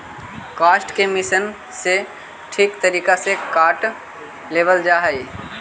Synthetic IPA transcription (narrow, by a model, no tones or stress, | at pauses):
kaːsʈkemɪsən | se | ʈʰiːkt̪əɾiːkasekaːʈ | leːʋəld͡ʒaːɦəiː